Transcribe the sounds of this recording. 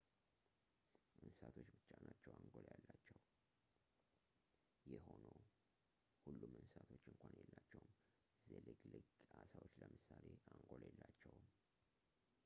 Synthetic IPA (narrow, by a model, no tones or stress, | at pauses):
ʔɨnsat̪ʰo̞t͡ʃːbɨt͡ʃːanat͡ʃːɛwaŋɡoljalːat͡ʃːɛw | jɛho̞no̞ | hulːumɨnsat̪ʰo̞t͡ʃːɨŋkʷʰanjɛlːat͡ʃːɛwm | zelɨɡlɨɡasawot͡ʃːləmɨsaleʔaŋɡoljɛlːat͡ʃːɛwm